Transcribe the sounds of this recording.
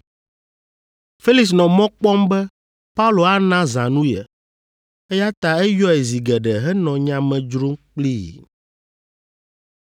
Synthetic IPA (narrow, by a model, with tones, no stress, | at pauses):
fe˦li˨ks̬nɔ̃˨mɔ̃˦k͡pɔ˦mbɛ˦ | pa˦u˦lo˨a˦nã˦zã˨nũ˦jɛ̰˨ | ɛ˦ja˦t̪a˦ɛ˦jɔ˦ɛ˨zi˨ɡɛ˨ɖɛ˨ɦɛ˦nɔ̃˨ɲã˨mɛ̃˨d͡ʒɾo˦ŋk͡pli˦jḭ˨